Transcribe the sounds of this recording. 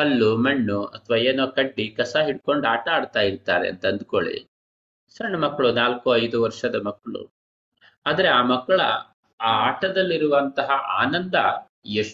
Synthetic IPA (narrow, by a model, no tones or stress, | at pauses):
ɐlːumɐɳːuɐt̪ʰɐʋaːeːnoːkɐɖːikɐsaːɦiɽ̚ko̞ɳɖaːʈɐaːɖt̪aːjiɾt̪a̰ːɾḛɐ̰nt̪ɐɐnd̪uko̰ɭḭ | sɐɳːɐmɐkːɐɭunaːlkuɐjd̪uʋɐɾʂɐd̪ɐmɐkːɐɭṵ | aːd̪ɐɾeaːmɐkːɐɭɐ̰ | aːaːʈɐd̪ɐlːiɾuʋɐnt̪ɐɦɐʔa̰ːnɐnd̪ɐ | jeʂ